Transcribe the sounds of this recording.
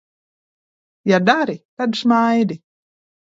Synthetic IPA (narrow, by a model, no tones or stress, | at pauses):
jad̪aɾit̪ad̪ʃmajd̪i